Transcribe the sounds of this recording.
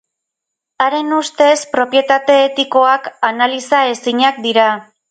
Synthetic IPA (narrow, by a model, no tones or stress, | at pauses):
aɾe̞nust̪e̞spɾo̞pje̞t̪at̪e̞ːt̪iko̞akanalisae̞siɲak̚d̪iɾa